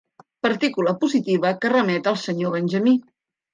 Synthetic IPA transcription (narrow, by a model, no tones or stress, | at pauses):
pəɾt̪ikuləpuzit̪iβəkərəmɛt̪əlˠsəɲoβənʲʒəmi